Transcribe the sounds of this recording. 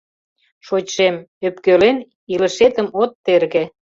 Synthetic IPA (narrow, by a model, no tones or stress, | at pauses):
ʃot͡ɕʃemøpkølen | iləʃet̪ə̆mot̪ːerɣe